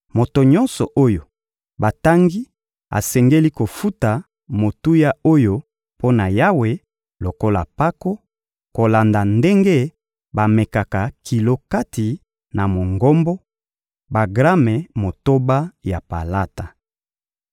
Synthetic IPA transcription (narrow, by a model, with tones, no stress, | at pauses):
mo˨to˨ɲɔ̃˦nsɔ˨ʔo˦jo˨ | ba˨ta˦ŋɡi˦ | a̰˨sɛ˨ŋɡe˦li˦ko˨fu˦ta˨ | mo˨tu˦ja˦o˦jo˦ | pʰo˦na˨ja˦we˨ | lo˨ko˦la̰˨pa˦ko˦ | ko˨la˨nda˨nde˦ŋɡe˦ | ba˨me˨ka˨ka˨ki˨lo˦ka˦ti˨ | na˨mo˨ŋɡo˦mbɔ˦ | ba˨ɡʁa˦mɛ˨mo˨to˦ba˦ja˨pa̰˨la˦ta˨